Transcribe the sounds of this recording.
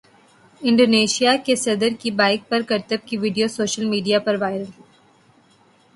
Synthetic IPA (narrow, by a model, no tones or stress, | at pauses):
ɪ̃ɳɖoːneːʃijakesɐd̪əɾkibaːɪk̚pɐɾkɐɾt̪əb̚kiʋɪɖijosoːʃəlmiːɖijapɐɾʋaːɪɾəl